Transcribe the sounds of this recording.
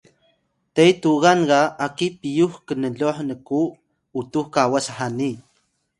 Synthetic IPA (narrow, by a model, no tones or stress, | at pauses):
t̪ejt̪uɣanɢaakipijuxkənəloħnəkuː | t̪uhkawasaħani